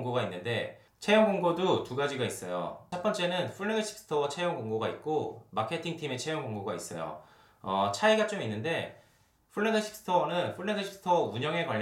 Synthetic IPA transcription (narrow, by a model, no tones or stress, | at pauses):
ŋɡoɡainːɯnde̞ | t͡ɕʰe̞jʌŋɡoŋɡodotuɡad͡ʑiɡais͈ʌjo̰t͡ɕʰʌp͈ʌnt͡ɕ͈e̞nɯnpʰuɭːedʌɕʰi̥p̚s͈ɯ̥tʰʌwʌt͡ɕʰe̞jʌŋɡoŋɡoɡait̚k͈omakʰe̞tʰiŋtʰime̞t͡ɕʰe̞jʌŋɡoŋɡoɡais͈ʌ̰jo̰ | ʌt͡ɕʰaiɡat͡ɕ͈ominːɯnde̞ | pʰuɭːendʌɕʰi̥p̚s͈ɯ̥tʰʌnɯnpʰuɭːedʌɕʰi̥ps͈ʰɯ̥tʰʌuɲʌŋe̞ka